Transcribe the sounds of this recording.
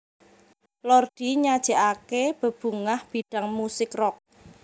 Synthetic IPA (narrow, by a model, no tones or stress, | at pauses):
lɔrɖ̥i̤ɲad̥ʒ̥ə̤ʔakeb̥ə̤b̥ṳŋahb̥i̤ɖ̥ä̤ŋmusɪkrɔk̚